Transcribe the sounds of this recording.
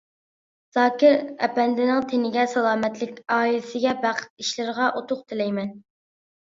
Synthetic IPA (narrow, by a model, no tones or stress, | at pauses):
z̥ɑːkʲɪɾɛ̰pɛnd̪ɪnɪŋt̪ʰenɪɡʲɛsɑlˠɑːmɛt̪lɪkʲɑːilɪsɪɡʲɛbæqʰə̥t̪iʃlɪɾəʁɑʔot̪ʰʊqt̪ʰɪlɛjmɛn